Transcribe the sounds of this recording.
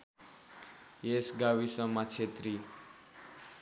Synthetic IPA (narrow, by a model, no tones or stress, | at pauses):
jesɡawisʌmʌt͡sʰet̪ri